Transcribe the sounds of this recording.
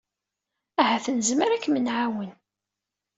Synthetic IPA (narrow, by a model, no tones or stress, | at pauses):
æhæθənəzməɾækːmənʕawən